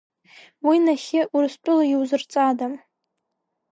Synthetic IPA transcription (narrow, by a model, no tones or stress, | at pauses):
winaχʲɪʔurɨstʼʊlajiwzɨrt͡sʼadam